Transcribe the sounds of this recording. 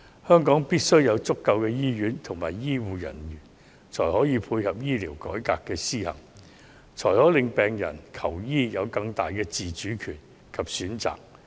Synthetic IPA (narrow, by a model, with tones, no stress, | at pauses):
hœː˥ŋkɔː˨˥ŋpiː˥t̚sɵ˥ɥjɐ˨˧wt͡sʊ˥kːɐ˧wkɛː˧jiː˥jyː˨˥nt̪ʰʊ˨˩ŋmaː˨˩jjiː˥wuː˨jɐ̰˨˩njyː˨˩n | t͡ʃʰɔː˨˩jhɔː˨˥jiː˨˧pʰuː˧jhɐ˨p̚jiː˥liː˨˩wkɔː˨˥jkaː˧kːɛː˧siː˥hɐ̰˨˩ŋ | t͡ʃʰɔː˨˩jhɔː˨˥lɪ˨ŋpɛː˨ŋjɐ̰˨˩nkʰɐ˨˩wjiː˥jɐ˨˧wkɐ˧ŋt̪a̰ː˨jkɛː˧t͡siː˨t͡ʃyː˨˥kʰyː˨˩n | kʰɐ˨p̚syː˨˥nt͡sa̰ː˨k̚